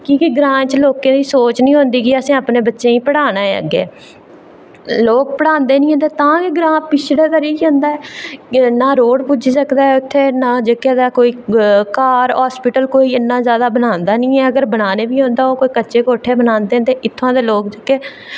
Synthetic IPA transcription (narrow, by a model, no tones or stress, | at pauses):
kiːkiɡɾãːt͡ʃloːkẽːd̪iːsoːt͡ʃnĩːɦʊ̃nd̪iːkiəsĩːaːpneːbətːʃẽːĩːpəɽaːna̰ːɡḛː | loːk̚pəɽãːnd̪eːnĩːɦə̃nd̪eːt̪ãːkiɡɾãːpɪt͡ʃʰɽaːt̪aːɾiiɦõːnd̪aːɛː | naːɾoːɽpuːd͡ʒiːsəkd̪aːɛʊt̪ʰːeːnãːd͡ʒəkːeːd̪aːkoːiːkaːɾɦaːspɪʈəlkoːiːɪnːãːzjaːd̪aːbənãːnd̪aːnĩːɛːəɡəɾbənaːneːbiːɦõːnd̪aːoːkoːiːkəːʃeːkoːʈʰeːbənãːnd̪eːnd̪eːʔɪt̪ʰːãːd̪eːloːkd͡ʒəkːeː